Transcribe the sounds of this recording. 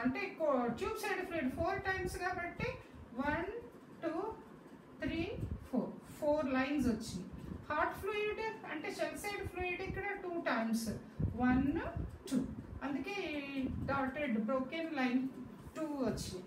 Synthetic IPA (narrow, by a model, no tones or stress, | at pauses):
ɐɳʈeːkoʈjuːbsɐjɖpluiɖpʰoːɾʈɐjmskaːbɐʈːe | ʋɐn | ʈuː | t̪ʰɾiːpʰoːɾpʰoːɾlɐjnsʋɐt͡ʃːihaːɾʈfluiɖɐ̰ɳʈeːt͡ʃɛlsɐjɖpʰluːiɖikːɐɽɐʈuːʈɐjms | ʋɐnʈuːɐnd̪ukeːɖaːʈeɖbɾowkenlɐjn | ʈuːʋɐt͡ʃːi